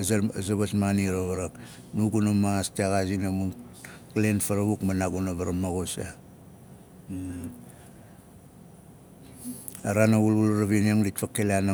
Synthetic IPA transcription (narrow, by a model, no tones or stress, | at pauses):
zzaβasmaniɾaβaɾak | nuɡunamaastiaɣazinamunklenfaɾaβukmanaɡunaβaɾamaɣosa | aɾanaβululɾaβinoŋditfakːeleana